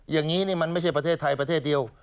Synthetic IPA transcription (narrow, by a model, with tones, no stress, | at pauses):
jaː˨˩ŋːiː˦˥niː˥˩ma˧nma˥˩jt͡ɕʰa˥˩jpɾa˧t̪ʰeː˥˩t̪ʰːa˧jpɾa˧t̪ʰe˥˩t̪̚di˧əw